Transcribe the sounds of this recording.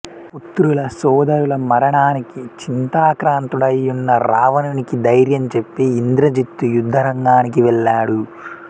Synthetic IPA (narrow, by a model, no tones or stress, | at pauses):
put̪ːɾulɐsɔːd̪ɐɾulɐmɐɾɐɳaːnikit͡ʃint̪aːkɾaːnt̪uɽɐjːunːɐɾaːʋɐnɐnikid̪ɐjɾjɐmt͡ʃe̞pːiind̪ɾɐd͡ʒit̪ːujud̪ʱːɐɾɐŋɡaːnikiʋɛɭːaːɽu